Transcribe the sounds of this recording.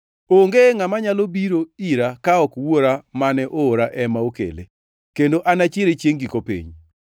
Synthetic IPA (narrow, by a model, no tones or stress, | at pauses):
oŋɡeŋamaɲalobiɾoiɾakaɔkwoɾamanɛʔoːɾaʔɛmaokḛlḛ | kendoʔanat͡ʃeɾet͡ʃjeŋɡikopḭɲ